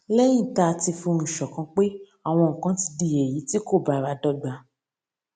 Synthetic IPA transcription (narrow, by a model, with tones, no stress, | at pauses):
lɛ˦j̃ĩ˦˨ta˧ti˧fũ˧n̩˨ʃɔ˨kã˧k͡pe˦ | a˦˨w̃ɔ̃˧ŋ̩˨kã˨˦ti˧di˧˨je˨ji˨˦ti˦ko˦˨ba˨ɾa˨˧dɔ˦ɡ͡ba˧